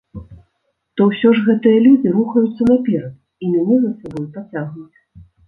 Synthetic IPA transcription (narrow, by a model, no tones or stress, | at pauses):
t̪ɔwsʲɔʐɣɛt̪ɨjɐlʲud͡zʲiɾuxɐjut̪sːɐnapʲɛɾɐt̪ | imʲanʲɛzɐsabɔjupɾat͡sʲaɣnut͡sʲ